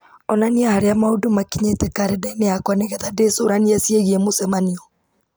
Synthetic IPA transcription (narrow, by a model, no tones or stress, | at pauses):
ɔnaniahaɾeamaodomakiɲetɛkaɾɛdaineakwanɛɣɛðadesoɾaniasiɛɣiɛmosɛmaniɔ